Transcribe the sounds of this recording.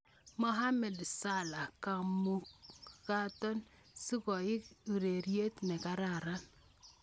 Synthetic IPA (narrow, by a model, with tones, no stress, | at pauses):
mɔ˦ɦa˦mɛ˨dsa˦la˨ka˨mu˦ka˦tɔ˦n | si˦kɔ˨ɪ˦ku˨ɾe˨ɾje˦tnɛ˨ka˦ɾa˨ɾa˦n